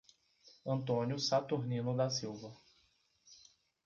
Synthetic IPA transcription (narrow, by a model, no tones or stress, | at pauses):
ɐ̃nt̪õnjʊsat̪uɾnĩnʊd̪asiwvɐ